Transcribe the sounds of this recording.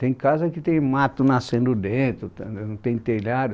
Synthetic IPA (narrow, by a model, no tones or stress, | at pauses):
t̪ẽj̃kazɐkɪt̪ẽj̃mat̪ʊnasẽnd̪ʊd̪ẽt̪ɾʊnɐ̃w̃t̪ẽj̃t̪elaɾʊ